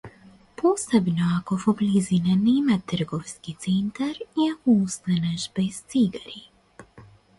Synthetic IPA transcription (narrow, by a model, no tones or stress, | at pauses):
posebnoakofoblizinanɛmat̪r̩ɡɔfskit̪sɛnt̪aɾiakoust̪ɛnaʒbɛst̪siɡaɾi